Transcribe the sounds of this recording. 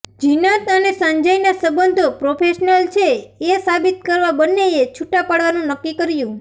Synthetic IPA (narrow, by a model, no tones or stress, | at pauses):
d͡ʒinat̪ənesəɲd͡ʒajnasəbənd̪ʱopɾopʰeʃnəlt͡ʃʰeesabit̪kəɾʋabənːeet͡ʃʰuʈapaɽʋanũnəkːikəɾjũ